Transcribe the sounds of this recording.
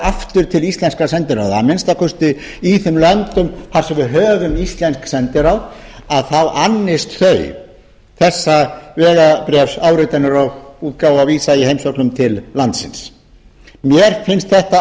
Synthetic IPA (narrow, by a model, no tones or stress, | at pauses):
aft̪ʏɾ̥t̪ʰɪlist̪lɛnskɾasɛnt̪ɪɾawða̰mɪnst̪akʰʏst̪ɪ | iθʏmlœnt̪ʏmθaɾ̥sɛmvɪɦœːɣʏmist̪lɛnsksɛnt̪ɪɾawðaðθawʔanːɪst̪θœɥ | θɛsːavɛːɣapɾɛfsaːwɾɪt̪ɛnːʏɾaɣuːt̪̚kaːwaviːsaihejmsɔklʏmt̪ʰɪllant̪sɪ̰ns | mjɛɾ̥fɪnst̪θɛht̪a